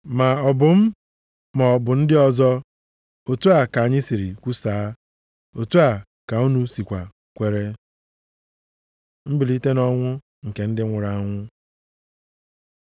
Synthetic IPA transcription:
ma˨ɔ˨bʊ˨m̩˦ | mɔ˨ɔ˨bʊ˨n̩˦dɪ˦ɔ˦zɔ˦ | o˨tu˦a˨ka˨a˨ɲɪ˦si˨ɾi˨kʷu˦saː˨˦ | o˨tu˦a˨ | ka˨u˦nu˦si˨kʷa˨ | kʷe˦ɾe˦ | m̩˦bi˨li˦te˦nɔ˦ŋʷʊ˦ | ŋ̩˨ke˨n̩˦dɪ˦ŋʷʊ˨ɾa˦˨˦ŋʷʊ˦

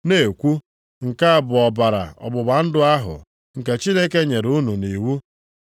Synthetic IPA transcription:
ne˦˨kʷu˦ | ŋ̩˨ka˦a˨bʊ˨ɔ˨ba˨ɾa̰˨ɔ̰˨bʊ˨ba˨n̩˦dʊ˦a˦ɦʊ̰˨ | ŋ̩˨ke˨t͡ʃi˦ne˦ke˦ɲe˨ɾu˦nu˨ni˨wu˦

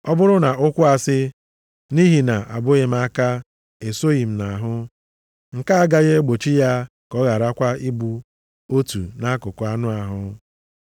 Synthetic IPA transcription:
ɔ˦bʊ˦ɾʊ˦na˨ʊ˦kʷʊ˦a˨sɪ˦ | ni˦ɦi˨na˨ʔa˨bʊ˦ɣe˨m̩˦a˦ka˦ | e˨so˦ɣi˨m̩˨na˨ɦʊ˦ | ŋ̩˨ka˦a˦ɡa˦ɣe˦ɡ͡bo˨t͡ʃi˦ja˦ | kɔ˦ɣa˨ɾa˦kʷa˦i˦bu˨ | o˦tṵ˨na˦kʊ˨kʊ˨˦a˦nʊ˦a˨ɦʊ˦

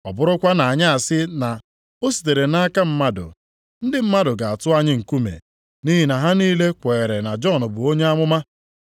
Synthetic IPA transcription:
ɔ̰˨bʊ˦ɾʊ˦kʷa˦na˨a˨ɲa˦a˨sɪ˦na˨ | o˦si̥˨t̬e˨ɾe˨na˦ka˦m̩˦ma˦dʊ̰˨ | n̩˦dɪ˦m̩˦ma˦dʊ˨ɡa˨a˨tʊ˦a˦ɲɪ˦ŋ̩˨ku˦mḛ˨ | ni˦ɦi˨na˨ɦa˦niː˦le˦kʷeː˨ɾe˨na˨d͡ʒɔ˦˨nʊ˨bʊ˨o˦ɲe˦a˦mʊ˦ma˦

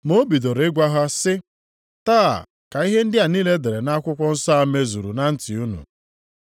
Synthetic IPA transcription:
mo˦bi˨do˨ɾɪ˦ɡʷa˦ɦa˦sɪ˦ | ta̰ː˦˨ | ka˨i˦ɦe˦n̩˦dɪ˦a˨niː˦le˦de˨ɾe˨na˦kʷʊ˦kʷɔ˦n̩˦sa˦a˦me˦zu˨ɾṵ˨na˦n̩˦tɪ˨u˦nṵ˨

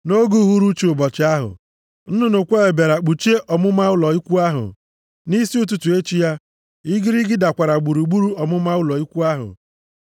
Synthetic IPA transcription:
no˦ɡu˦ɦu˦ɾu˦t͡ʃi˨ʊ˨bɔ˨t͡ʃɪ˦a˦ɦʊ̰˨ | n̩˦nʊ˦nʊ˨kʷe˦e˨be˨ɾa˨k͡pu˨t͡ʃe˦ʔɔ˨mʊ˦ma˦ʊ˦lɔ˨i˦kʷu˦a˦ɦʊ̰˨ | ni˦si˦u˦t̬u˨tu˨e˦t͡ʃi˦ja˦ | i˦ɡɪ˦ɾɪ˦ɡɪ˦da˨kʷa˨ɾa˨ɡ͡bu˨ɾu˨ɡ͡bu˦ɾu˦ɔ˨mʊ˦ma˦ʊ˦lɔ˨i˦kʷu˦a˦ɦʊ̰˨

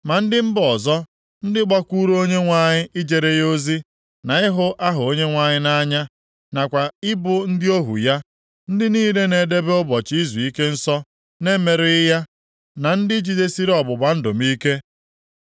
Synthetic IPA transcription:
ma˨n̩˦dɪ˦m̩˦bɔ˨zɔ˦ | n̩˦dɪ˦ɡ͡ba˦kʷu˦ɾo˦ɲe˦ŋʷa˨ɲɪ˦ʔɪ˦d͡ʒe˨ɾe˦jo˦zi˦ | na˨ɪ˦ɦʊ˦ʔa˦ɦʊ˨o˦ɲe˦ŋʷa˨ɲɪ˦na˦ɲa˦ | na˨kʷa˨ɪ˦bʊ˨n̩˦dɪ˦o˦ɦṵ˨ja˦ | n̩˦dɪ˦niː˦le˦ne˨de˦be˦ʊ˦bɔ˨t͡ʃi˦zi˨i˦ke˦n̩˦sɔ˦ | ne˦me˨ɾɪ˨˦ja˦ | na˨n̩˦dɪ˦d͡ʒi˨de˦si˦ɾɔ˨bʊ˨ba˨˦n̩˦do̰˨mi˦ke˦

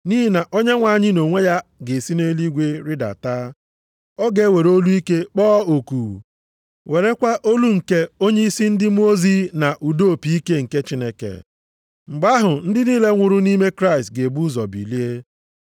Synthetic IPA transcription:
ni˦ɦi˦na˨ʔo˦ɲe˦ŋʷa˨˦˨ɲɪ˦no˨ŋʷe˦ja˦ɡe˨si˦ne˦li˦ɡʷe˦ɾi˦da̰˨taː˦ | ɔ˦ɡe˨˦˨we˨ɾo˦lu˦i˦ke˦k͡pɔː˦o˨ku˨ | we˨ɾe˦kʷa˦ʔo˦lu˦ŋ̩˨ke˦o˦ɲe˦i˦si˦n̩˦dɪ˦m˦o˦zi˦na˨ʔu˨do˦˨pi˨i˦ke˦ŋ̩˨ke˦t͡ʃi˦ne˦kḛ˨ | ŋ͡m̩˨ɡ͡ba˦ɦʊ˨n̩˦dɪ˦niː˦le˦ŋʷʊ˨ɾʊ˦ni˦me˦kɾa˦ɪ˨stɡe˨bu˦zɔ˨bḭ˨li˦e˦

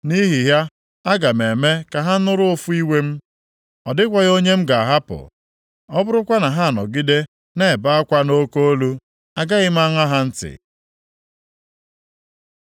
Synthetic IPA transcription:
ni˦ɦi˨ɦja˦ | a˦ɡa˨me˨me˦ka˨ɦa˦n̩˦nʊ˦ɾʊ˦ʊ˦fʊ˦i˦we˦m̩˦ | ɔ˨dɪ˦kʷa˦ɣo˦ɲe˦m̩˦ɡa˨a˨ɦa˦pʊ̰˨ | ɔ˦bʊ˦ɾʊ˦kʷa˦na˨ɦa˦a˨nɔ̰˨ɡi˦de˦ | ne˨ba˦a˦kʷa˦no˦ko˦o˦lu˦ | a˦ɡa˦ɣɪ˦m̩˦a˦ŋa˦ɦa˦n̩˦tɪ̰˨

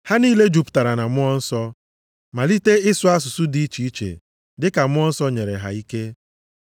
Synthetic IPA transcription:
ha˦niː˦le˦d͡ʒu˨pʊ̥˨ta˨ɾa˨na˨mʊ˦ɔ˦n̩˦sɔ˦ | ma˨li˦te˦ɪ˦sʊ˦a˦s̬ʊ˨sʊ˦di˦t͡ʃi˨i˦t͡ʃḛ˨ | dɪ˦ka˨mʊ˦ɔ˦n̩˦sɔ˦ɲe˨ɾḛ˨ɦa̰˨i˦ke˦

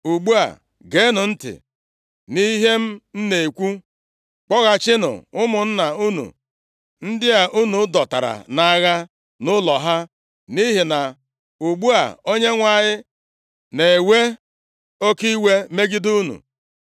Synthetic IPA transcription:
u˨ɡ͡bu˦a̰˨ | ɡe˨˦nʊ˨n̩˦tɪ̰˨ | ni˦ɦe˦m̩˦n̩˦ne˨e˨kʷu˦ | k͡pɔ˦ɣa˨t͡ʃɪ˦nʊ̰˨ʊ˦mʊ˨n̩˦na˨u˦nṵ˨ | n̩˦dɪ˦a˨ʔu˦nu˨˦dɔ˨ta̰˨ɾa̰˨na˦ɣa˦ | nʊ˦lɔ˨ɦa˦ | ni˦ɦɪ˨na˨ | u˨ɡ͡bu˦a̰˨o˦ɲe˦ŋʷa˨ɲɪ˦ | ne˨we˦ | o˦ki˦i˦we˦me˦ɡi˦du˦nṵ˨

